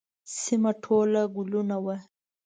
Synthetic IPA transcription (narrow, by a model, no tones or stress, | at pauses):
simaʈʰolaɡulunawa